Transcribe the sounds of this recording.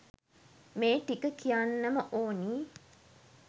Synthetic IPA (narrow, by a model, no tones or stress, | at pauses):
meːʈikəkʰijanːəməʔoːni